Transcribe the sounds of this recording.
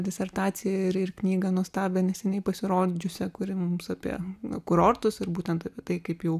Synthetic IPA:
d̪ʲɪsʲɛrt̪ɑːsʲɪjɛɪɾɪrknʲiːɡɐnuɔst̪ɑːbʲɛnʲɛsʲɛnʲɛɪpɐsʲɪɾoːd͡ʒʲʊsʲɛkʊɾʲɪmʊmmsɑːpʲiɛ̰kʊɾoːrt̪ʊsɪɾbuːt̪ʲɛnt̪ɑpʲiɛt̪ɐɪkɐɪpjɛʊ

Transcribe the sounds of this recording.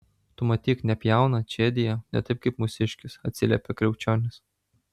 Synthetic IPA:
t̪ʊmɐt̪ʲiːknʲɛpʲjæˑʊnɐt͡ʃʲed̪ʲɪjɛnʲɛ̰t̪ɐɪp̚kɐɪpmʊsʲɪʃʲkʲɪsɐt̪ʲsʲɪlʲɛ̰pʲɛkɾʲɛʊt͡ʃʲoːnʲɪs

